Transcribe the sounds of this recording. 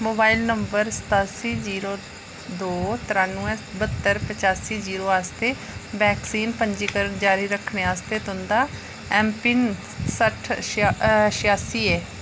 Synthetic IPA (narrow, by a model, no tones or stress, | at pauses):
moːbaːilnəmbəɾsə̥t̪aːsiːziːɾoː | d̪oːt̪ɪɾaːnuːɛ̃ːbət̪ːəɾpət͡ʃaːsiːziːɾoːaːst̪eː | bɛːksiːnpəɲd͡ʒiːkəɾənd͡ʒaːɾiːɾəkʰneːaːst̪eːt̪ʊnd̪aː | ɛːmpɪn | səʈʰ | ʃɪjaːsiːɛː